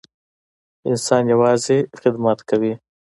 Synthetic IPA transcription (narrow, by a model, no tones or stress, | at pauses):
ɪnsɑnjawɑzexɪd̪mat̪kawi